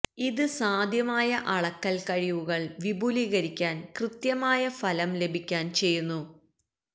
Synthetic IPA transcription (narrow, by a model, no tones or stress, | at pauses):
iðɨsaːd̪ʱjɐmaːjɐʔɐɭɐkːɐlkɐɻiʋuɣɐɭʋibʱuːliɣɐɾikʲːaːnkrɨt̪jɐmaːjɐfɐlɐmle̞bʱikʲːaːnt͡ɕe̞jːunːu